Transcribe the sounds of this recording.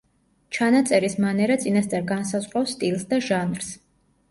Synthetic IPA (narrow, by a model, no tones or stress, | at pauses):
t͡ʃʰanat̪sʼɛɾismanɛɾat̪sʼinast̪sʼaɾɡansazʁɾafst̪ʼilˠsd̪aʒanɾs